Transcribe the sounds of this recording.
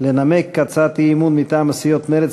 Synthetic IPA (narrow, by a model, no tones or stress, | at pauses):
lenamekːat͡sat̪iimunmit̪aːmasijot̪meɾet͡s